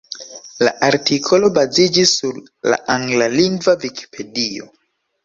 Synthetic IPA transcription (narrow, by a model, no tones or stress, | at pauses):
la̰ʔaɾtikʰo̞lo̞bazid͡ʒisːuɾ | la̰ʔaŋɡlaliŋɡvavikʰi̥pʰe̞dio̞̰